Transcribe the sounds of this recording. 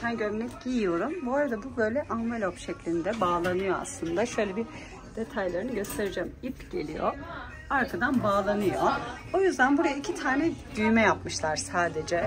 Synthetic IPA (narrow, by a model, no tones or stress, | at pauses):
sænɟøvnɛcɟijijo̞ɾumbuaɾad̪abubø̞jlʲɛʔanvelʲopʃɛclʲind̪ɛbaːlˠanɯjoa̰slˠɯnd̪aʃø̞jlʲebi | d̪̥e̞t̪ʰajlˠaɾiniɟø̞st̪ʰe̞ɾid͡ʒɛːmipɟ̥e̞lʲḭjo̰ | aɾkʰad̪anbaːlˠanɯjo | o̞jyzd̪ænbuɾajaicʰit̪ʰaːnɛd̪yjmɛjapmɯʃlˠaɾsaːd̪e̞d͡ʒɛ